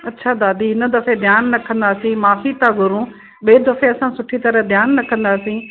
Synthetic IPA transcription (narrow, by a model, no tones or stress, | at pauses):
ɐtːʃʰad̪aːd̪iːɪnə̆d̪ɐfed̪ʱjaːnːɐkʰə̃nd̪aːsĩmaːfit̪ãɡʱʊɾũ | ɓiːd̪ɐfeɐsãsʊʈʰit̪ɐɾəɦd̪ʱjaːnːɐkʰə̃nd̪aːsĩː